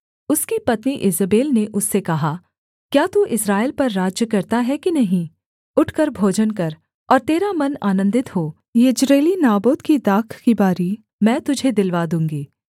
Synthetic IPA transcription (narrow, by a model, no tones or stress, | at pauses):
ʊskipɐt̪niʔɪzəbeːlneʔʊsːekɐɦa | kjaːt̪uʔɪsɾaːɪlpɐɾːaːd͡ʒjəkɐɾt̪aɦɛkinɐɦĩ | ʊʈʰkɐɾbʱoːd͡ʒənkɐɾ | ɔːɾt̪eːɾamɐnaːnə̃nd̪ɪt̪ɦoː | jɪd͡ʒɾeːlinaːboːd̪kid̪aːkʰkibaːɾi | mɛ̃ːt̪ʊd͡ʒʱed̪ɪlʋaːd̪ũːŋɡiː